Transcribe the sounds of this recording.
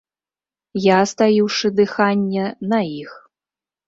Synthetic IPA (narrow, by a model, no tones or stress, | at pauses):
jaːst̪ajiwʂɨd̪ɨxanʲːɛnɐix